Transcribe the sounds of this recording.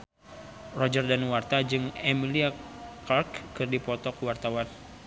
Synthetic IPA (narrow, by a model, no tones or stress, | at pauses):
rɔd͡ʒərdanwart̪ad͡ʒɨŋɛmiliakarkːɨrdipɔt̪ɔkəwart̪awan